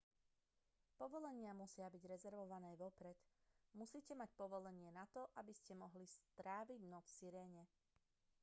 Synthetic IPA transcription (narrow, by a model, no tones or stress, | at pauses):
pɔʋɔlɛɲɪamusɪabiɟɾɛzɛɾʋɔʋanɛːʋɔpɾɛt̪musiːcɛmacpɔʋɔlɛɲɪɛnat̪ɔʔabiscɛmɔɦlist̪ɾaːʋiɟnɔfsiɾɛːɲɛ